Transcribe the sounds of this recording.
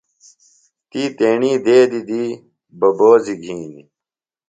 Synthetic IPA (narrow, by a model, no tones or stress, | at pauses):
t̪iːt̪eːɳiːd̪eːd̪id̪iː | bɐboːziɡʱĩːni